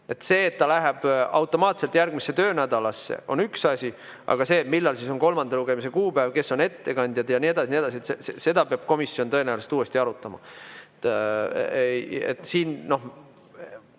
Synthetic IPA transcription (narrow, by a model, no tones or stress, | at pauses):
e̞t̪se̞ːt̪ːɑlæɦeb̥ɑwt̪ːˑo̞mɑːt̪se̞lt̪jærɡ̥misːe̞t̪ø̞ːnæd̪̥ɑlɑsːe̞̰o̞̰nyksɑsʲi | ʔɑ̰ɡ̥ɑse̞ːmilːɑlsiso̞nko̞lmɑnd̪ɑluɡe̞mise̞kuːpævke̞sːo̞ne̞t̪ːe̞kɑnʲd̪̥jɑd̪̥jɑnie̞d̪̥ɑsinie̞d̪ɑsie̞t̪sesese̞d̪ɑpeɑb̥̚ko̞misːio̞nt̪ɤenæjwlest̪uːe̞st̪iɑɾut̪ːˑɑmɑ̰t̪ː | ejḛt̪ːˑsiːnno̞